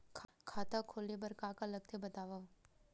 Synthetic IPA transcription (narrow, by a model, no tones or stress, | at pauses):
kʰkʰaːt̪akʰoːlebɐɾkaːkalɐɡ̚t̪ʰebɐt̪aːʋa